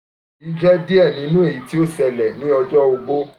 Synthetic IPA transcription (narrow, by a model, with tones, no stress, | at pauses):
i˦d͡ʒɛ˦di˦ɛ˦˨nĩ˨˦nũ˦e˦˨ji˨˦ti˦o˦sɛ˧˨lɛ˨nĩ˨˦ɔ˧d͡ʒɔ˦o˧ɡ͡bo˦